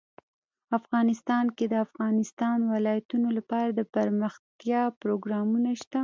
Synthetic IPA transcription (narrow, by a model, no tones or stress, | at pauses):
afɣɑnɪst̪ɑnked̪əafɣɑnɪst̪ɑnwɪlɑjat̪unolapɑɾad̪əpəɾməxt̪jɑpɾoɡɾɑmunaʃt̪a